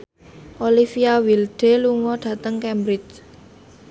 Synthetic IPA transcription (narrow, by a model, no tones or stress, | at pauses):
ʔolifiawilɖ̥e̤luŋɔɖ̥ä̤t̪əŋkɛmbɾɪt͡ʃ